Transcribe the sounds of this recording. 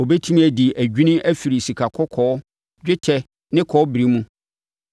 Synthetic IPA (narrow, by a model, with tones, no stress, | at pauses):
ɔ˨bɛ˦tʰĩ˦m̃˦æ˨di˨ʔæ˨ɟᶣi˦nʊ̃˦ʔæ˦fi˨ɾi˨si˨kʰa˨kʰɔ˦kʰɔː˨ɔ˦ | d͡ʑᶣɪ˦tʰɛ˨ | nɪ̃˦kʰɔ˨˦ɔ˦bɾi˦mũ˦